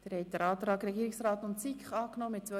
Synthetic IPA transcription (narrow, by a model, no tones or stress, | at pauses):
d̥eːɾhɛjt̚d̥̪əɾɑːt̪ɾɑːɡɾɛɡiːɪksrɑːtʊntsikχɑːknɔːmɪt̚t͡sʋœ